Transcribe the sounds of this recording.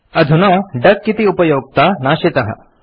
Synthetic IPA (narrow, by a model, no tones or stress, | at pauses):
ɐd̪ʱunɐːɖɐkːit̪iupɐjoːɡ̚t̪aːnaːʃet̪ɐɦɐ̰